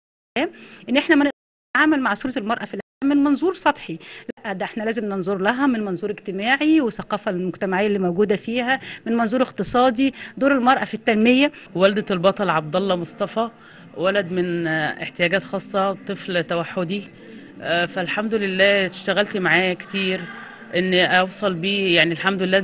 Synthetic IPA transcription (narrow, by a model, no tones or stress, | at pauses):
æːmʔenːʔeħnæmæneʔd̪ | ʕaːmælmaʕsˤuːɾɑt̪elmɑɾˤʔɑfilʔ | ʔmenmɑnzˤuːɾsˤɑt̪ˤħilæʔːæd̪æʔeħnælæːzemnenzˤoɾˤlæɦæmenmɑnzˤuːɾeɡt̪emæːʕiweθæqɑːfælmoɡt̪æmaʕejːælːiːmowɡuːd̪æfiːhæmenmɑnzˤuːɾeqt̪ɨsˤɑːd̪id̪oːɾelmɑɾˤʔɑfit̪ːænmejːæ | wæld̪ælbɑt̪ˤɑlʕɑb̚d̪ɑlˤːɑmosˤt̪ˤɑfɑ | wælæd̪menḛħt̪ejæːɡæːt̪xɑːsˤːɑt̪ˤːɨflt̪ːæwæħːod̪i | fælħamd̪olelːæːʃt̪æɣælt̪maʕaːjækt̪iːɾ | ʔenːʔɑwsˤɑlbiːjaʕnilħamd̪olelːæː